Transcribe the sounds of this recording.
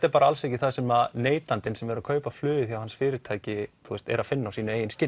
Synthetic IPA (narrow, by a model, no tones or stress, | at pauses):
t̪ɛɾpaːɾaalsecɪθaðsɛmaneːjt̪ant̪ɪnsɛmɛɾaðkʰœːɥpḁflʏːðɪθjawhansfɪːɾɪɾ̥t̪ʰaːjcɪt̪ʰuɛst̪ɛ̰ɾaðfɪnːawsiːnʏejɪnscɪ